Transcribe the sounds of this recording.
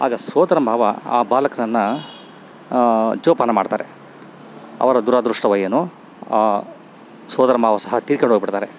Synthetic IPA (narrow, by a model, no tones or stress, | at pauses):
a̰ːɡɐsɔːd̪ɐɾɐmbʱaːʋɐa̰ːbaːlɐkɐnɐnːɐ | d͡ʒoːpanɐmaːɖt̪aːɾe | ɐ̰ʋɐɾɐd̪uɾad̪ɾuʂʈɐʋɐjɐnu | aː | sɔːd̪ɐɾɐmbʱaːʋɐsɐɦɐt̪iːɾkɐɳɖoɡbiʈt̪aːɾe